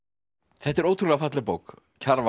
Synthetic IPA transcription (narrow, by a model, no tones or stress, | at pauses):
θɛht̪ːɛɾoːwt̪ʰɾulafat̪lɪpoːwk | cʰaɾva